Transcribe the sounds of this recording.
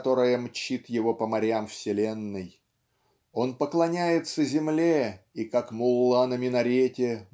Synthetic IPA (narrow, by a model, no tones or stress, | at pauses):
t̪o̞ɾəjəmt͡ɕit̪jɪvo̞pəmɐɾʲamfsʲɪlʲenːɨj | o̞npəklˠɐnʲæjɪt̪səzʲɪmlʲeikakmʊlˠːanəmʲɪnɐɾʲetʲɪ